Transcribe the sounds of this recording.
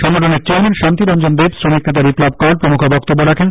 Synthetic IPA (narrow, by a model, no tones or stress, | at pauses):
ʃɔŋːoʈʰoneɾt͡ɕeaɾmenʃant̪iɾɔnd͡ʑonb̪ebsɾomik̚net̪̬abiplɔb̚kɔɾaɾpɾomukʰobɔk̚t̪obːoɾakʰen